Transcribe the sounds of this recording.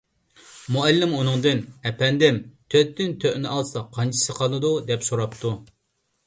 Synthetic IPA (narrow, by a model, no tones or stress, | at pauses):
muɛlːɪmunɨŋd̪ɨnɛpɛnd̪ɪmt̪ʰøt̪ːɪnt̪ʰøʔnɪʔɑlˠsɑqʰɑnt͡ʃʰi̥sɨqʰɑlˠɨd̪ud̪ɛpsoɾɑpt̪ʰu